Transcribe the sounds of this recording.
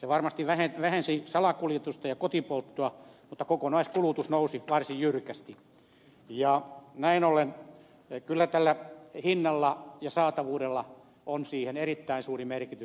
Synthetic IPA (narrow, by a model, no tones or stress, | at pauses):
seʋɑrmɑst̪iʋʋæheʋæhensisɑlɑkuljet̪ust̪ɑjɑkot̪ipolt̪ːuɑmut̪ːɑkokonɑiskulut̪usnousiʋɑrsijjyrkæst̪i | jɑnæinolen | kylːæt̪ælːæhinːɑlːɑjɑsɑːt̪ɑʋuːdelːɑ | ʔonsiːhenerit̪ːæinsuːrimerkit̪ys